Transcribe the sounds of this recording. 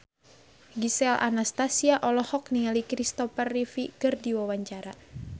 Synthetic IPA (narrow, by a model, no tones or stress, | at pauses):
ɡisɛlʔa̰nast̪asiaʔɔlɔhɔk̚niŋalikɾist̪ɔfərːifikɨrdiwawaɲt͡ʃaɾa